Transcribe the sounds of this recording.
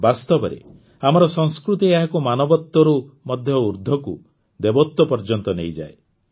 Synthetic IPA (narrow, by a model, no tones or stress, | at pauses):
bast̪ɔbɔɾḛ | amɔɾɔsɔŋskɾut̪iaɦakumanɔbɔt̪ːɔɾumɔd̪ʱjɔuɾd̪ʱɔku | d̪ebɔt̪ːɔpɔɾd͡ʒɔnt̪ɔnejd͡ʒa̰e